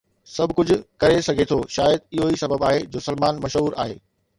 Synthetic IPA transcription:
sɐbʱkʊd͡ʑʱʊ̆kɐɾesɐɡʱet̪ʰoʃaːjəd̪̚ɪɦoisɐbəbaːɦed͡ʑoːsɐlmaːnmɐʃɦuːɾa̰ːɦḛː

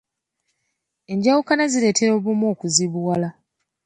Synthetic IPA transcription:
e̞ɲɟawukanazile̞ːte̞ɾo̞βumo̞ːkuziβuwala

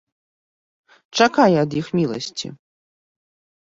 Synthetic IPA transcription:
t͡ʂakajɛɐd̪jixmʲilˠɐ̰sʲt͡sʲḭ

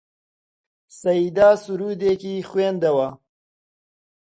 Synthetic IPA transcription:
sɐid̪aːsuɾuːd̪ekixwend̪ɐwa

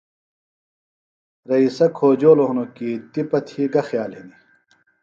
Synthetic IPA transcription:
ɾɐisɐkʰoːd͡ʑoːloɦnokit̪ipɐt̪ʰiːɡɐxjaːlini

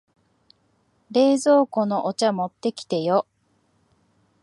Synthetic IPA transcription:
ɾe̞ːzo̞ːko̞no̞ʔot͡ɕamo̞t̪ːe̞kʲi̥t̪e̞jo

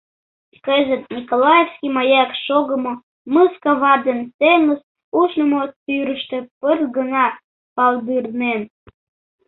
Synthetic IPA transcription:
kəzə̆t̪̚nʲikolɑjefskʲimɑjɑkʃoɡə̆mo | mɨskɑβɑd̪ensenəs | uʃnəmotyɾə̆ʃt̪ĕpərtɡənɑ | pɑld̪ɯrnen

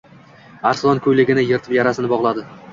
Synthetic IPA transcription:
aɾsɪlˠɒnkʰɵjlɪɡʲɪnɪjeɾt̪ʰɪpjaɾasɪnɪbɒʁlˠad̪ɪ

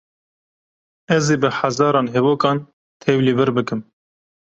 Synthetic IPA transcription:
ɛzeːbɨħazɑːɾɑːnɦɛboːkɑːn | t̪ʰɛwliːbɨɾbɨkɨm

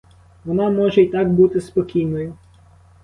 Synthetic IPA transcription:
ʋɔnɑmɔʒɛit̪ɑkbut̪ɪspɔkʲijnɔjʊ

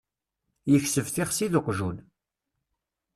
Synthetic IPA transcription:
jəçsəvθɪχsiðəqʷʒun

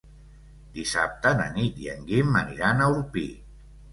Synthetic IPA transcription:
d̪isa̰p̚t̪ənə̰nit̪jə̰ŋɡiməniɾanəulpi

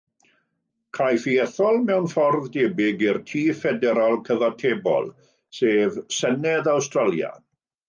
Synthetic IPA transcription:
kʰrajfiɛθɔlˠmɛwnfɔrðdeːbɪɡirtʰiːfɛdɛɾalˠkʰəvɔtʰeːbɔ̰lˠ | seːvsənɛðawstralˠja̰

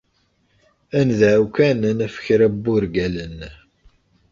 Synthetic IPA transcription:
ænðæʕukænnəfə̥çɾæbːuɾɡælən

